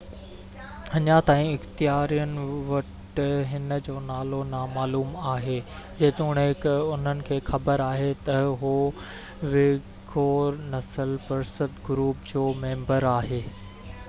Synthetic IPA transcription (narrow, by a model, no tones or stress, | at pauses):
ɐɲat̪aːĩɪxt̪ijaːɾijənɪ̆ʋɐʈ | ɦɪnəd͡ʑoːnaːlonamaːluːmaːɦeː | d͡ʑeːt̪uːɽ̃ɦɪkʊn̤ənɪ̆kʰeːxɐbəɾaːɦet̪ɐɦo | ʋɪ | ɡoːɾnɐsəlpɐɾsəd̪ɡʊɾuːpd͡ʑoːmẽːmbəɾaːɦeː